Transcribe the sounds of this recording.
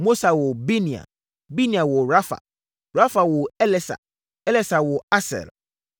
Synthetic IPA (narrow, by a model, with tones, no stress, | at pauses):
mo˦sa˨wɔ˨bi˦nĩ˨a̰˨ | bi˦nĩ˨a˨wɔ˨ɾa˦fa̰˨ | ɾa˦fa˨wɔ˨ɛ˦lɛ˦sa̰˨ | ɛ˦lɛ˦sa˨wɔ˨a˦sɛ̰˨l